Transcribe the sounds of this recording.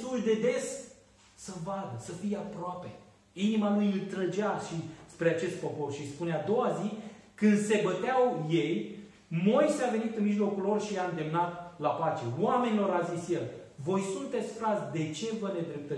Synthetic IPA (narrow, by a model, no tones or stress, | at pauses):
suld̪e̞d̪e̞s | səvad̪əsəfijeapɾoape̞ | inimalujɨlt̪ɾəd͡ʒaʃispɾeat͡ʃe̞st̪̚po̞po̞rʃispunead̪o̞wazi | kɨnd̪se̞bət̪eawjej | mo̞jseave̞nit̪ɨnmiʒlo̞kulːo̞rʃijaɨnd̪e̞mnat̪lapat͡ʃe̞wame̞nilo̞ɾazisje̞lvo̞jsunt̪e̞t̪sʲfɾasʲd̪e̞t͡ʃe̞vəne̞d̪ɾep̚t̪ə